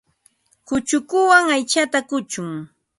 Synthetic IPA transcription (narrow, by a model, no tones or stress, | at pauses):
kʊt͡ʃʊkʊwaŋajt͡ʃat̪akʊt͡ʃʊŋ